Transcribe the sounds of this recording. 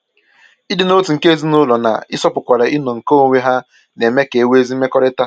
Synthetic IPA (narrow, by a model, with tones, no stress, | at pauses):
i˦dɪ˨no˦tu˨ŋ̩˨ke˦e˦zi˦nʊ˦lɔ˨na̰˨ɪ˦sɔ˦pʊ˨kʷa˨ɾa˨i˦nɔ˨ŋ̩˨ko˦˨ŋʷe˦ɦa˦ | ne˨me˦ke˨e˨we˦zi˦me˦kɔ˦ɾɪ˦ta˦